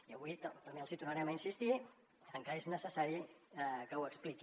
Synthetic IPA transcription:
iəβuit̪t̪əmbeəlˠzit̪urnəɾɛməinsist̪i | əŋkəeznəsəsaɾikəwəkspliki

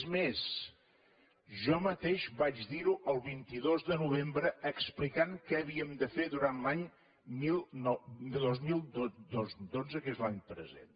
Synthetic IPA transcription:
zmes | ʒɔmət̪eʃβad͡ʒðiɾuʔəlˠβint̪iðozðənuβ̞embɾəəksplikaŋkɛːβiəmd̪əfeðuɾanlaɲ | milˠnɔðozmilˠd̪od̪ozd̪onzəkezlaɲpɾə̰zḛn

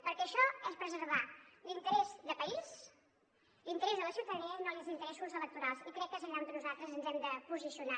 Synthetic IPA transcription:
pəɾkɛəʃɔɛspɾəzəɾβalint̪əɾɛzðəpəiz | lint̪əɾɛzðələsiwt̪əðəniənolizint̪əɾɛsuzələk̚t̪uɾalˠsikɾɛkːezəʎamd̪ənuzalˠt̪ɾəzənzɛmd̪əpuzisiuna

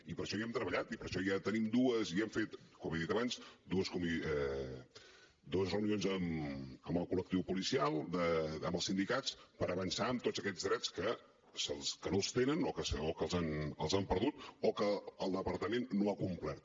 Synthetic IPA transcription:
ipəɾʃɔiɛmt̪ɾəβəʎat̪ipəɾʃɔjat̪ənimd̪uəziɛmfet̪kɔmeðit̪əβanzd̪uəskɔmiɛ | d̪uəzrəunionzəməmbəlˠkulək̚t̪iwpulisialˠd̪əəmbəlˠsind̪ikat͡spəɾəβənsaəmt̪o̥zəkɛd͡zðɾɛt͡skə | səlˠskənolˠst̪enənɔkəsokəlˠzanəlˠzampəɾðut̪ɔkəːlˠd̪əpəɾt̪əmenːoakumplɛɾt̪̚

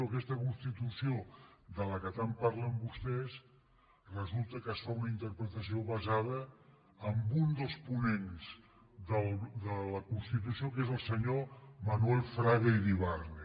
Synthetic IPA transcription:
okɛst̪əkunst̪it̪usiod̪ələkət̪ampaɾləmbust̪ɛs | rəzulˠt̪əkəsfaunəint̪əɾpɾət̪əsioβəzað̞əː | mbund̪əlˠspunenz | ðəlˠd̪ələkunst̪it̪̬usiokezəlˠsəɲomənuɛlˠfɾaðeiɾiβarne

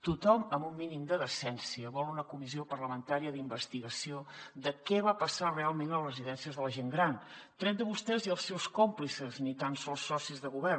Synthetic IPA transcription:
t̪ut̪ɔməmbumːinimd̪əðəsɛnsiəβɔlˠunəkumiziopərləmənt̪aɾiəðimbəst̪iɣəsiod̪əkɛβapəsarealˠmẽnlərəziðɛnsiəzðələʒeŋɡɾant̪ɾɛt̪̚d̪əβust̪ɛziəlˠsɛwskomplisəznit̪ansɔlˠsːɔsizðəɣuβɛr

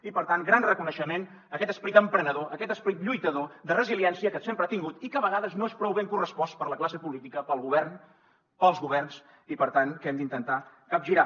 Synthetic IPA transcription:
ipəɾt̪aŋɡɾanrəkunəʃəmen | əkɛt̪əspəɾit̪əmpɾənəðoʔəkɛt̪əspəɾit̪ʎujt̪əðod̪ərəziliɛnsiəkət̪sempɾəat̪iŋɡut̪ikəβəɣaðəznoespɾɔwβeŋkurəspɔspəɾləklasəpulit̪ikəpəlˠɣuβɛrn | pəlˠzɣuβ̞ɛrns | ipəɾt̪aŋkɛmd̪int̪ənt̪a | kap̚ʒiɾa

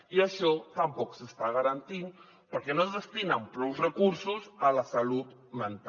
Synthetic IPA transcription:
iəʃɔt̪əmpɔksəst̪aɣəɾant̪in | pəɾkɛnozðəst̪inampɾɔwzrəkuɾsuzələsalut̪ | mənt̪a

